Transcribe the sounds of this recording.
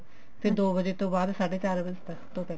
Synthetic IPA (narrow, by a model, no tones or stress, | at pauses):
t̪eːd̪oːbəd͡ʒeːt̪õːbaːd̪saːɖeːt͡ʃaːɾʋɪd͡ʒt̪əkt̪õːpɛː